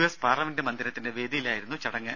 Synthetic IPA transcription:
uespaːrlɐme̞ndɨmɐnd̪ʱiɾɐt̪ːinde̞ʋe̞ːd̪ijilaːjiɾunːut͡ɕɐɽɐŋːɨ

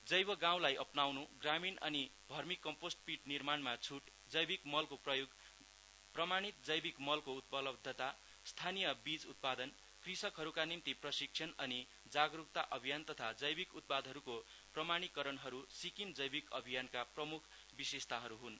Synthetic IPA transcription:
d͡zʌjbʌɡãw̃lajʔʌpnawnuɡraminʌ̰nid̪ʱʌrmikːʌmposʈ̚piʈnirmanmat͡sʰuʈ | d͡zʌjbikmʌlkoprʌjuɡ | prʌmaɽ̃it̪̚d͡zʌjbikmʌlkout̪̚pʌlʌbd̪ʱːʌt̪a | st̪ʰanijʌbid͡zut̪̚pad̪ʌn | krisʌkɦʌɾukanimt̪iprʌsiksʰʌnʌni | d͡zaɡruk̚t̪aʔʌbʱijant̪ʌt̪ʰad͡zʌjbikut̪̚pad̪ʱɦʌɾuko | prʌmaɽ̃ikʌɾʌnɦʌɾusikimd͡zʌjbikʌbʱijankaprʌmukʰ | bisest̪aɦʌɾuɦun

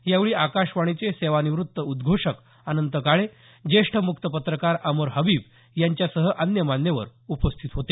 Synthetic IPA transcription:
jaʋɭiːʔakaʂʋaɽ̃it͡seseʋaniʋɾut̪ːəud̪ɡʱoʂək | anənt̪əkaɭe | d͡ʑeʂʈʰəmukt̪əpət̪ɾəkaɾəməɾɦəbiːb | jaɲt͡ɕjasəɦəʔənjəmanjəʋə̰ɾupəst̪ʰit̪ɦot̪e

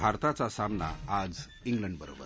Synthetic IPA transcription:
bʱaɾt̪at͡sasamna̰ad͡z | iŋɡləɳɖbəɾo̰bə̰ɾ

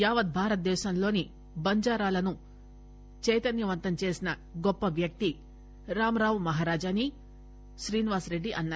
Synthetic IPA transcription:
jaːʋɐt̪̚bʱaːɾɐt̪̚d̪ɛːʃɐmlo̞ːni | bɐɲd͡ʒaːɾaːlɐnu | t͡ʃɛjt̪ɐnjɐʋɐnt̪ɐmt͡ʃe̞ːsinɐ | ɡɔpːɐʋjɐk̚t̪i | ɾaːmɐɾaːʋmɐɦaːɾaːd͡ʒaːni | ʃɾiːniʋaːsɾe̞ɖːiʔɐnːaː

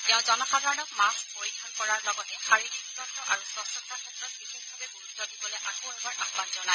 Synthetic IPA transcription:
tɛʊ̃zɔnɔxad̪ʱaɹɔnɔkmaspoɹidʱɔnkɔɹaɹlɔɡɔtɛxaɹiɹikuɡɹɔntɔʔaɹusɔsɔtakʰɛtɹɔt̚bixexbʱabɛbulutzodibɔlɛʔakoɛbaɹʔaxbanzɔna

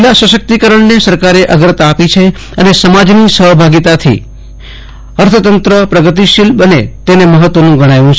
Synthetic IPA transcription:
lasəʃək̚t̪ikəɾəɳnesəɾkaɾeʔəɡɾət̪apit͡ʃʰe | ənesəmad͡ʒnisəɦbʱaɡit̪at̪ʰḭ | əɾt̪ʰət̪ənt̪ɾəpɾəɡət̪̬iʃilbənet̪eneməɦət̪ʋonũɡəɽ̃ajũt͡ʃʰ

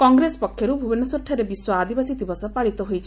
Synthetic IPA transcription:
kɔŋɡɾesɔ̥pɔkʰːjɔɾubʱubenɔsɔʈʰːɔɾebiswɔad̪ibasit̪ibɔsɔpaɭit̪ɔɦojt͡ʃʰi̥

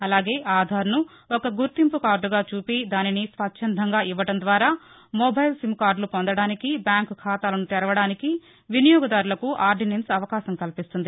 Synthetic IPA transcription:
ɐlaːɡe̞ːʔaːd̪ʱaːɾɐnu | ɔkɐɡuɾt̪impukaːɾɖuɡaːt͡ʃuːpid̪aːninisʋɐtːʃʰɐnd̪ʱɐŋɡaːʔiʋːɐʈɐnd̪ʋaːɾaː | mobɐjlsimkaːɾɖlupond̪ɐɽaːnikibjaːŋkkʰaːt̪aːlɐnut̪ɛɾɐʋɐɽaːniki | ʋinijɔːɡɐd̪aːɾulɐkuʔaːɾɖinensɐʋɐkaːsɐmkɐlpist̪und̪i

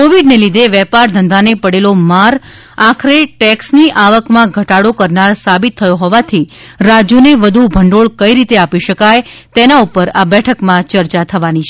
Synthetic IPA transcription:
koʋiɖnelid̪ʱeʋɛpaɾd̪ʱənd̪ʱanepəɽelomaɾ | akʰɾeʈɛksniʔaʋəkmãɡʱəʈaɽokəɾnaɾsabit̪ʰːəjoɦɔʋat̪ʰi | ɾad͡ʒuneʋəd̪ʱubʱəɳɖoɭkəiɾit̪eapiʃəkajt̪enaupəɾabɛʈʰəkmãt͡ʃəɾt͡ʃat̪ʰəʋanit͡ʃʰe

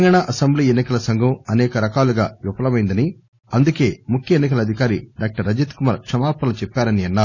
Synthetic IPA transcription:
ŋɡaːɳaːʔɐsɐmbliːenːikɐlɐsɐŋɡʱɐmɐnɛːkɐɾɐkaːluɡaːʋipɐlɐmɐjind̪ɐni | ɐnd̪uke̞ːmukʰjɐenːik̬ɐlɐd̪ʱikaːɾiɖaːk̚ʈɐɾːɐd͡ʒet̪kumaːɾkʂɐmaːɾpɐnɐut͡ʃɛpːaːɾɐniɐnːaː

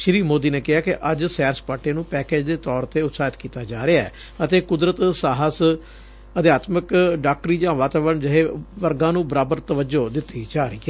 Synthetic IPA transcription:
ʃɪɾiːmoːd̪iːneːkɪɦaːkɪʔəd͡ʒsɛːɾspaːʈeːnũːpɛːkeːd͡ʒd̪eːt̪ɔːɾt̪eːʊt̪saːɪt̪kiːt̪aːd͡ʒaːɾɪaɛ̰ː | ət̪eːkʊd̪ɾət̪saːɦəs | əd̪ɪjaːt̪məkɖaːk̚ʈɾiːd͡ʒãːʋaːt̪aːʋəɾəɳd͡ʒəɦeːʋəɾɡãːnũːbəɾaːbəɾt̪əʋəd͡ʒoːd̪ɪt̪ːiːd͡ʒaːɾəiːɛ

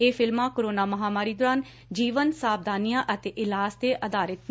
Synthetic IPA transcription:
eːpʰɪlmãːkoɾoːnaːməɦaːmaːɾiːd̪oːɾaːn | d͡ʒiːʋənsaːb̚d̪aːnijãːʔət̪eːʔɪlaːsd̪eːʔəd̪aːɾət̪

